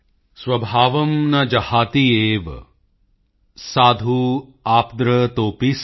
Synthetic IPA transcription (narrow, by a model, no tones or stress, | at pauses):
swɐbʱaːʋɐmnɐd͡ʒɐhaːt̪ieːʋ | saːd̪ʱuaːpd̪ɾɐt̪oːpis